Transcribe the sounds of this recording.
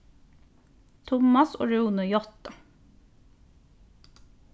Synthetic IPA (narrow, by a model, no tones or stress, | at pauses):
t̪ʰʊmɑso̰ːɹuːnəjɔt̪ɑ